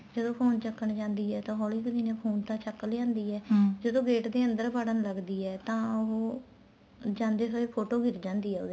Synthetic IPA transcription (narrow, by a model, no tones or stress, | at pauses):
d͡ʒəd̪õːpʰoːnt͡ʃəkːəɳd͡ʒãːnd̪iːɛːt̪ãːɦɔːlikəd̪iːnẽːpʰoːnt̪ãːt͡ʃəkːəld͡ʒãːnd̪iːɛːd͡ʒəd̪õːɡeːʈd̪eːə̃nd̪əɾbaɽənləɡd̪iːɛːt̪ãːʊɦo | d͡ʒãːnd̪eːsoːeːpʰoːʈoːɡɪɾd͡ʒãːnd̪iːɛːod̪eː